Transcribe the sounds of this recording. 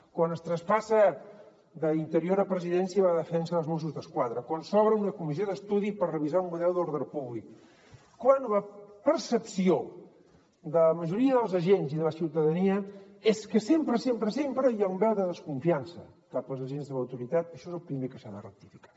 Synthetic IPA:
kwanəst̪ɾəspasə | d̪əint̪əɾioɾəpɾəziðɛnsiəβaðəfɛnsəəlˠzmusuzðəskwaðɾəkwansɔβɾəunəkumizjoðəst̪uðipərrəβizaumːuðɛlˠd̪oɾðəpuβlikː | wanləpəɾsəpsio | d̪ələməʒuɾiəðəlˠzəʒenziðələsiwt̪əðəniə | eskəsempɾəsempɾəsempɾəjaumbɛlˠd̪əðəskuɱfiansə̰ | kapəlˠzəʒenzðələwt̪uɾit̪at̪əʃɔezəlˠpɾimekəsaðə̰rə̰k̚t̪ifikḁ

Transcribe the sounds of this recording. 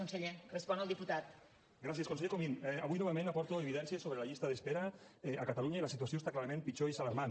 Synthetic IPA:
onseʎerəspɔnəlˠd̪iput̪at̪ | ɡɾasjeskonseʎekominɛaβujnɔβamẽnapɔɾt̪oeβiðɛnsiesoβɾelaʎist̪aðespeɾaɛakat̪aluɲailasit̪uasjost̪aklaɾamẽmpit͡ʃoisalaɾman

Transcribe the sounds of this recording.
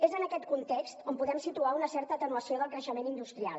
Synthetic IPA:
ezənəkɛt̪̚kunt̪ekst̪ompuðɛmsit̪uaunəsɛɾt̪ət̪ənuəsioðəlˠkɾəʃəmenind̪ust̪ɾia̰lˠ

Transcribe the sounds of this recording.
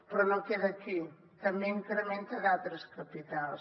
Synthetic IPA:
pɾɔnɐ̃wkɛðɐki | t̪ɐmẽĩŋkɾemẽnt̪ɐɣalt̪ɾɐskɐpit̪als

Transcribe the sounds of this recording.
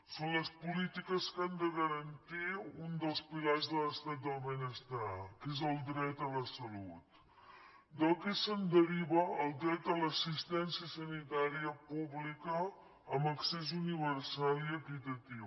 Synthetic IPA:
sonləspulit̪ikəskand̪əɣəɾənt̪iund̪əlˠspilazðələst̪at̪̚d̪əlˠmənəst̪akezəlˠd̪ɾɛt̪ələsəlut̪ | d̪əlˠkɛsənd̪əɾiβəːlˠd̪ɾɛt̪ələsist̪ɛnsiəsənit̪aɾiəpuβlikəː | mbəksezuniβəɾsaliəkit̪ət̪iw

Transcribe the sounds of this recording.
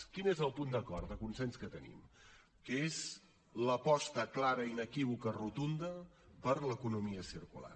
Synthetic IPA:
kinezəlˠpund̪əkɔɾd̪əkunsɛnskət̪ənḭm | kəez | ləpɔst̪əklaɾəinəkiβ̞ukərut̪und̪ə | pəɾləkunumiəsiɾkṵla̰r

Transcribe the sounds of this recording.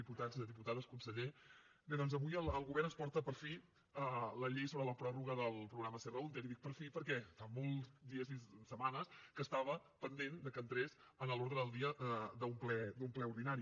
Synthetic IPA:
iput̪ad͡ziðəðiput̪aðəskunsəʎe | bɛðɔnzəβujəlˠəlˠɣuβɛrnənspɔɾt̪əpəɾfi | ələʎejsoβɾələpɾɔruɣəðəlˠpɾuɣɾaməserəunt̪eɾiðik̚pəɾfipəɾkɛfamɔlˠzd̪iəzisəmanəskəst̪aβəpənd̪end̪əkənt̪ɾez | ənəloɾðɾəðəlˠd̪iəəd̪əumplɛd̪umplɛuɾðinaɾi

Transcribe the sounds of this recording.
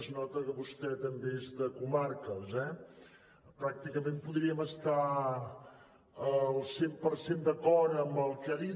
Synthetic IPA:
znɔt̪əkəβust̪ɛt̪əmbeezðəkumarkəzɛ | pɾak̚t̪ikəmempuðɾiəməst̪a | əlˠsempəɾsend̪əkɔɾəːmbəlˠkɛði

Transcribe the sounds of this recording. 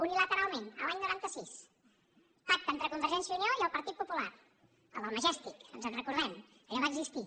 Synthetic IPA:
unilət̪əɾalˠmenə̰laɲnuɾant̪əsis | pak̚t̪əent̪ɾəkumbəɾʒɛnsjəunioiəlˠpəɾt̪it̪̚pupular | əlˠəlˠməʒɛst̪ikə̰nzənrəkuɾðɛm | kəʎaβaəɡzist̪i

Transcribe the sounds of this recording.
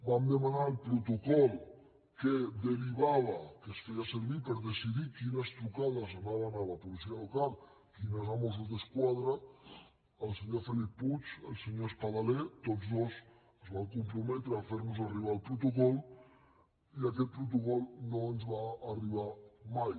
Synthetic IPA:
bamd̪əmanalpɾut̪ukɔlˠ | ked̪əɾiβaβakəsfejasəɾβipəɾðəsiðikinəst̪ɾukaðəzanaβanalapulisialokalˠ | kinəzamos̬uzðəskwaðɾə | əlˠseɲofelippːut͡ʃəlˠseɲoespaðalɛt̪ozðoz | əzβamkumpɾumɛt̪ɾəafeɾnuzariβ̞alˠpɾut̪ukɔlˠ | iakɛt̪̚pɾut̪ukɔlˠnoənzβaːriβ̞amaj

